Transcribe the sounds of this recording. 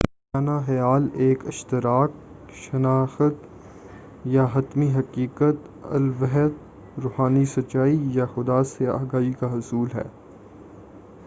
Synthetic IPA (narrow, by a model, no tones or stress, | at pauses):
ɪ | aːnaxɐjaːleːkɪʃt̪ɪɾaːk̚ | ʃɐnaːxət̪ | jaɦɐt̪miɦɐkiːkət̪ | ɐ̰lʋɛɦɛt̪ | ɾoːhaːnisɐt͡ʃaːijaxʊd̪aːsea̰ːɡaːikaɦʊsuːlɦɛ̰ː